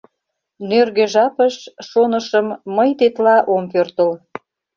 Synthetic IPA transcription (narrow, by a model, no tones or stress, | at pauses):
nørɣøʒɑpəʃʃonəʃəmːəjt̪et̪lɑʔompørt̪əl